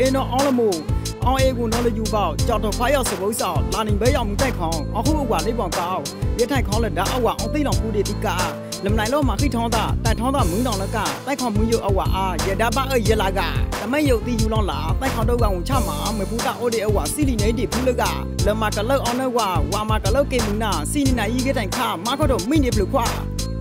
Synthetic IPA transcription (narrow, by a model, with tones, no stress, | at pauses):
ʔẽ˨ndɔ˦˨ʔɔ̃˨˦lə˨mo˨ | ʔɔ̃˨ʔe˨ɡʊ̃˨nɔ˦lə˨ju˨ba˦˨t͡ɕa˨tʰɔ˨pʰwa˦ja˦˨sə˨bo˦sa˨la˨nĩ˨bɛ˦jã˦˨mũ˨˦t̪ã˦ɪkʰɔ̃˦ʔɔ̃˨ɦu˦˨ʔə˨wa˨le˦˨bɔ̃˨ka˦ʊ˨ | jɛ˦tʰã˨ɪ̃˨kʰã˦lə˨da˦ʔə˦˨wa˨ʔɔ̃˨t̪i˦˨lã˨ku˦˨de˨t̪ḭ˦˨ka˦˨ | lə˨mə˨nã˨ɪ̃˨lɔ˦˨mã˨ki˦˨tʰã˦d̪a̰˦˨tã˨tʰã˦d̪a˦˨mũ˨˦nã˨lə˦ka̰˦˨t̪ã˦˨kʰɔ̃˨ʊ̃˨mũ˨˦jo˦˨ʔə˨wa˨ʔa˦jɛ˨da˦ba˦˨ʔə˦˨jɛ˦˨la˨ɡa̰˨t̪ə˨mɛ̃˦˨jo˨ʔt̪i˦˨ju˨lɔ̃˨la̰˨t̪ã˦˨kʰã˨˦ʊ̃˦do˦˨ka˨wʊ̃˨t͡ɕʰa̰˦˨mã˨mə˨pʰu˦t̪a̰˦˨ʔɔ˦˨de˨ʔə˨wa˨si˦˨li˨nɛ̃˨˦i˦de˨pʰu˦lə˦˨ka̰˦˨ | lə˨ma˨kə˨lo˦˨ʔɔ˨˦nə˦˨ɡwa˨wa˨ma˨kə˨lo˦˨kẽ˨mu˨na˨si˦˨nĩ˨nã˨ʔi˦˨ɡɛ˦tʰã˨ɪ̃˨kʰa˦˨ma˦kʰɔ˦˨dɔ˨mĩ˦˨ne˨pəlo˨kʰwa̰˦˨